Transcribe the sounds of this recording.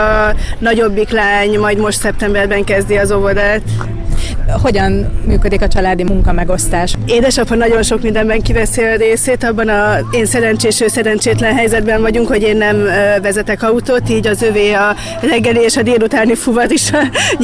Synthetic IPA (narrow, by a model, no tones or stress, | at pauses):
ɒnɒɟo̞bːiklaːɲmɒjd̪mo̞ʃt̪sɛp̚t̪ɛmbɛrbɛŋkɛzd̪iɒzo̞vod̪aːt̪ | ho̞ɟɒnmyːkø̞d̪ikɒt͡ʃɒlaːd̪imuŋkɒmɛɡo̞st̪aːʃeːd̪ɛʃɒphɒnɒɟo̞nʃo̞kmind̪ɛmbɛŋkibɛseːlreːseːt̪ɒbːɒnɒeːnsɛɾɛnt͡ʃeːʃøːsɛɾɛnt͡ʃeːt̪lɛnɦɛjzɛd̪bɛɱvɒɟuŋkho̞ɟeːnːɛmøvɛzɛt̪ɛkɒut̪oːt̪iːɟɒzøveːɒ | rɛɡːɛlieːʃɒd̪eːlut̪aːnifuvɒɾiʃɒ